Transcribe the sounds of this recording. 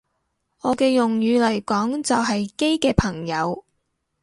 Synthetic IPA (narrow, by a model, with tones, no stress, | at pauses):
ʔɔː˨˧kɛː˧jʊ˨ŋjyː˨˧lɐ˨˩jkɔː˨˥ŋt͡sɐ˨wɦɐ˨jke˥jkɛː˧pʰɐ˨˩ŋjɐ˨˧w